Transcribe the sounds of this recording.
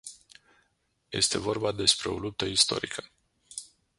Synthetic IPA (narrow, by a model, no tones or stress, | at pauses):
je̞̰st̪e̞vo̞rbad̪e̞spɾe̞o̞lup̚t̪əist̪o̞̰ɾikʰə